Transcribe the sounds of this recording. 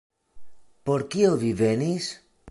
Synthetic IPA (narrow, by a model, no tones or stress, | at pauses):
po̞ɾkiovive̞nis